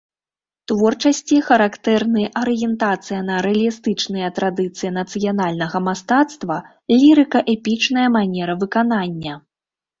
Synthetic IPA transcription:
t̪vɔrt͡ʂɐsʲt͡sʲixɐɾakt̪ɛrnɨjʔɐɾɨjɛnt̪at̪sɨjɐnɐɾɛɐlʲist̪ɨt͡ʂnɨjɐt̪ɾad̪ɨt̪sɨjinɐt̪sɨjan̪alʲnɐɣɐmast̪at̪st̪vɐ | lʲiɾɨkɐʔɛpʲit͡ʂnɐjɐmanʲɛɾɐvɨkananʲːɐ

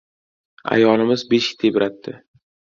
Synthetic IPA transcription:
a̰jɒlˠɪmɪzbeʃkʲɪ̥t̪ʰebɾat̪ʰːɪ

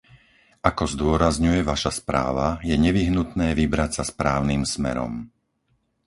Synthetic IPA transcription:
ʔakɔzd̪ʊɔɾazɲujɛʋaʃaspɾa̰ːʋajɛɲɛʋiɦnut̪nɛːʋibɾacsaspɾaːʊniːmsmɛ̰ɾɔ̰m

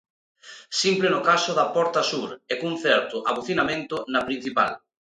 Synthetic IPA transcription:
simplenʊkasʊðɐpɔɾt̪ɐsuɾɛkuŋθɛɾt̪ʊʔaβuθinamẽnt̪ʊnɐpɾin̟θipa̰l

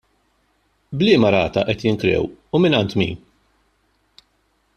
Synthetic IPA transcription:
blɪːmɐɾɐːt̪ɐʔɛt̪jɪŋkɾɛ̰wumɪnɐnt̪mḭːn

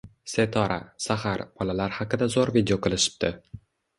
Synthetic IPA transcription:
se̞t̪ʰɒɾʔa̰sahaɾb̥ɒlalaɾhɑqɨd̪azoɾvid̪ejoqʰɨlˠɪʃɪ̥b̚t̪ʰɪ

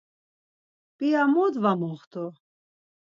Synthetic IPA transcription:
piamɔd̪vamɔχt̪ʰu

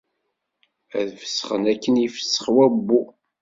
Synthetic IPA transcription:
æ̰ðvə̥sːə̥χənækːənifə̥sːə̥χwæbːu

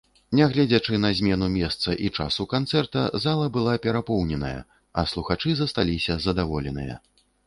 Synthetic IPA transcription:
nʲɛɣlʲɛd͡zʲat͡ʂɨnɐzʲmʲɛnumʲɛst̪sɐʔit͡ʂa̰sukant̪sɛrt̪ɐzalˠɐbɨlˠapʲɛɾapɔwnʲɛnɐjɐ̰ | ɐ̰slˠuxat͡ʂɨzɐst̪alʲisʲɐzɐd̪avɔlʲɛnɨ̰jɐ̰

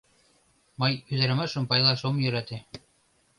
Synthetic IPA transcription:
mɤjyðæ̆ɾmɑʃɤ̆mpɑjlˠɑʃomjɵ̆ɾæt̪e

